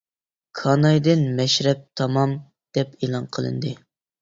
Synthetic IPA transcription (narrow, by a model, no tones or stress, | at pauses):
kʰɑnɑjd̪ɪnmɛʃɾɛp̚t̪ʰɑmɑm | d̪̥ɛpelˠɑnqʰəlˠɨ̰nd̪ɨ